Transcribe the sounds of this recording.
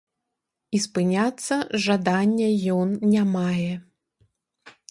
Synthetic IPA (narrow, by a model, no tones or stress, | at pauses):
ispɨnʲat̪sːɐʐad̪anʲːɛjɔnːʲamajɛ